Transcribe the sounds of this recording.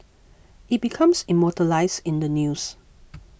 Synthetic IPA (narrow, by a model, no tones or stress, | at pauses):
it̚bikʰãmsimɔtəlaɪsɪ̃ndənjus